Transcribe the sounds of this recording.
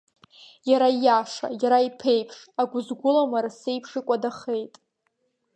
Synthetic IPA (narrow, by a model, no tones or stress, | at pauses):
jaɾajaʂa̰jaɾaipʰe̞jpʰʂaɡʷʊzɡʷʊlamarase̞jpʰʂɨkʷʼadaχe̞jtʼ